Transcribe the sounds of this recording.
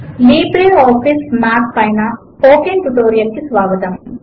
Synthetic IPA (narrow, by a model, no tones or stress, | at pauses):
liːbɾeoːfismaːkpɐjna | poːkenʈuʈoːɾijɐlkɨsʋaːʋɐd̪ɐm